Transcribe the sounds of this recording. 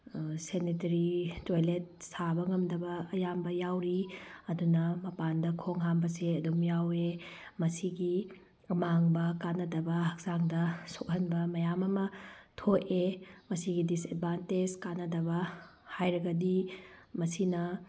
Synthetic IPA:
senitɐɾitojlet̚sabɐŋɐmdɐbɐːjambɐjawɾiɐdunɐmɐpandɐkʰoŋɦambɐseɐdumjawe | mɐsiɡi | maŋbɐkanɐdɐbɐhɐk̚z̥aŋdɐsok̚hɐnbɐmɐjamɐmɐtʰoʔemɐsiɡidised̚banted͡ʒkanːɐdɐβɐhajɾɐɡɐdimɐsinɐ

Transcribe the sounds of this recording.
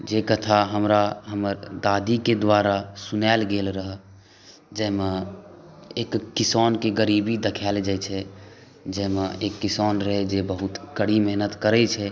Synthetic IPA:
d͡ʒekət̪ʰaɦəmɾaɦəməɾd̪ad̪iked̪ʋaɾasunɛlɡelɾəɦ | d͡ʒɛmẽ | eːkːisɔnkeɡəɾibid̪ekʰɛld͡ʒɛt͡ʃʰɛ | d͡ʒɛɦmẽekːisɔnɾəɦed͡ʒebəɦut̪kəɽimɛɦnət̪kəɾɛt͡ʃʰɛ

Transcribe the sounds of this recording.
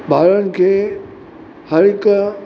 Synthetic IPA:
ɓʱaːɾənɪ̆kʰeː | hɐɾɪk

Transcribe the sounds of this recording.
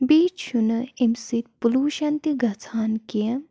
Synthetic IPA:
biːt͡ʃʃunɨimsit̪̚puluːʃɐnt̪iɡʱɐt͡sʰaːnkiɐ

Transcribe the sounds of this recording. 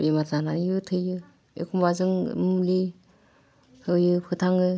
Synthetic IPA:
ematananijɯtʰɯjɯ | ekʰumbazɯŋ̰mli | hɯjɯpʰɯtʰaŋɯ

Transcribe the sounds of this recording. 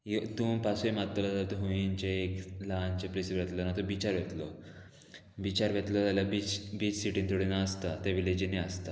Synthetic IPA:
jot̪uːmpasuemat̪ːolat̪at̪oɦoĩnt͡ɕeklant͡ɕeplisiʋɾet̪lonat̪obit͡ɕaɾʋet̪lo | bit͡ɕaɾʋet̪lɔt̪alabit͡sbiːt͡ssiʈĩnt̪oɽinaəst̪at̪eʋiled͡ʑineəst̪a

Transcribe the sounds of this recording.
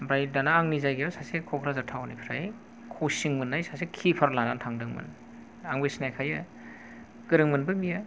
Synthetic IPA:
bɾajdanaːŋnizajɡejawsasekʰɔkʰɾazatʰawnipʰɾaj | kʰosiŋmɯnːajsasekʰipʰaɾlanantʰaŋdɯŋmɯ̰n | aŋbesnajkʰajɯ | ɡ̥ɯɾɯŋmɯnbɯbija

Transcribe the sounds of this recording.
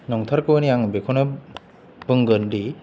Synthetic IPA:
nɔŋtʰaɾkɯwniaŋɯbekʰɔnɯ | bɯŋɡɯndi

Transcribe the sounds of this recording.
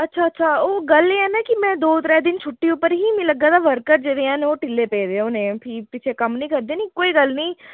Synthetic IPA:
ətːʃʰaːətːʃʰaːoːɡəleɛːnaːkɪmɛ̃ːd̪oːt̪ɾɛːd̪ɪnt͡ʃʰʊʈːiʊpːəɾɦiːmĩləɡːaːd̪aːʋəɾkəɾd͡ʒeːɾeːãːneoːʈɪlːeːpeːd̪eonẽːpʰiːpɪt͡ʃʰekəmnĩːkəɾd̪eːnĩːkoːiːɡəlnĩː

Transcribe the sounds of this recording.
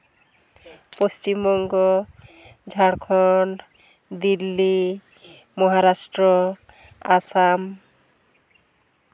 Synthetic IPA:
post͡ʃimɔŋɡɔ | d͡ʒʱaɽkʰɔɳɖ | d̪ilːi | mɔɦaɾasʈɾɔ | asam

